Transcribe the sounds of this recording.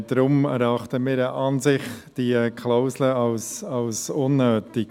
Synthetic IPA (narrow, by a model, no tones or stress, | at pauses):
d̥ɾʊmɛɾɑχtəmɪːɾəʔɑnzɪχd̥ikʰlaʊsləɑlsɑlsʊnːøːtɪk